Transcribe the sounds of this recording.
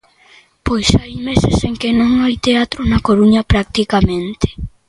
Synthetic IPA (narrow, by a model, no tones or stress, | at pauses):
pojsajmeseseŋkɪnõŋajt̪eat̪ɾʊnɐkoɾuɲɐpɾak̚t̪ikamẽnt̪e̥